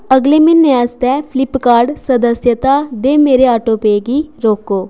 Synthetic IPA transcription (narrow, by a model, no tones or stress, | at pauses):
əɡleːmɪnːẽːaːst̪ɛːpʰlɪpkaːɾɖsəd̪əsjət̪aːd̪eːmeːɾeːaːʈoːpeːɡiːɾoːkoː